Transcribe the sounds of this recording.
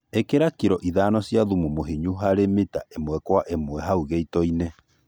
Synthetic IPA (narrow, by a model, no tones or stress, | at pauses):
ekeɾakiɾɔʔiðaːnɔsijaðumumoɦiɲuɦaɾemeta̰ʔemwɛkwaʔemwɛɦauɣeitɔine